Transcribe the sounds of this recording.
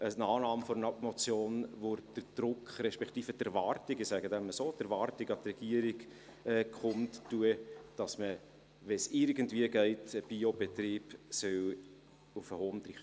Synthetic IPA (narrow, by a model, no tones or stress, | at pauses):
ʔənɑːnɑːmfɔɾnɑmɔt͡sjoːnʋod̥əɾd̪̥ɾʊkχɾɛʃpɛkʰtiːfətɛɾvɑːɾtɪɡɪsæɡədɛnməsoːtɛɾvɑːɾtɪɡɑt̪rɛɡ̥iəɾiɡ | ɛkχʊmttuəd̥ɑsmə | ʋɛsɪɾɡən̩tviəɡɛɪtəb̥iob̥etɾiːb̥sœw | ufəhoːmtɾiχə